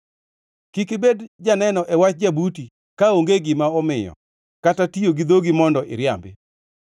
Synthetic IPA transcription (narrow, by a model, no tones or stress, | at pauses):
kikebedd͡ʒanɛnɔʔɛwat͡ʃd͡ʒabuti | kaoŋɡeɡɪmaɔmɪjɔ̰ | katatijoɡid̪oɡimɔndɔʔɪ̰ɾja̰mbɪ